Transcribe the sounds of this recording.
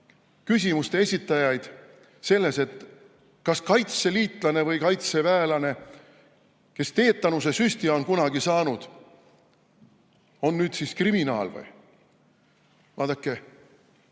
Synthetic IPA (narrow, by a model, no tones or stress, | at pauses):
kysʲimust̪e̞e̞sʲit̪ːˑɑjɑjd̪̥ | se̞lːe̞se̞t̪ | kɑskɑjt̪se̞liːt̪ˑlɑne̞vɤjkɑjt̪se̞væelɑne̞ | ke̞st̪e̞ːt̪ˑːɑnusesysʲt̪io̞nkunɑɡisɑːnud̪̥ | o̞nːyːd̪siskriminɑ̰ːlvɯ̰j | vɑːd̪̥ɑkːˑe